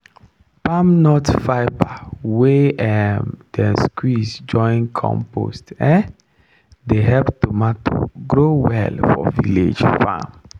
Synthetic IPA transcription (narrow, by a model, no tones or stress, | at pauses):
pamnɔtfaɪbaweɛmd̥ɛskʰwisd͡ʒɔ̃ɪ̃nkʰɔ̰̃mpo̰stɛ | deɦɛlptumato̰ɡɹowɛ̰lfɔ̰vilḛd͡ʒfã̰m